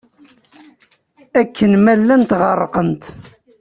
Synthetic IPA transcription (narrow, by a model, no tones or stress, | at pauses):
ækːənmælːænt̪ʁərˤːqənt̪